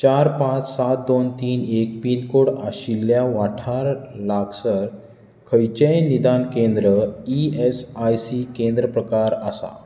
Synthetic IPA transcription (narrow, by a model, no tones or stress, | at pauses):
t͡ɕaɾpãt͡ssat̪̚d̪ont̪iːnek̚pinkoɽaɕilːjaʋaʈʰaɾlaɡsəɾ | kʰəjt͡ɕejnid̪ankẽnd̪ɾəiesajsikẽnd̪ɾəpɾəkaɾəsa̰